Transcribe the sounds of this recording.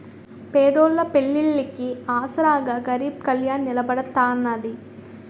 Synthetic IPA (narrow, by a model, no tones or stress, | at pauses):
peːd̪oːlːɐpeɭːilːikiaːsɐɾaːɡɐɡɐɾiːb̚kɐljaːnnilɐbɐɽɐt̪ːaːɐnːɐd̪i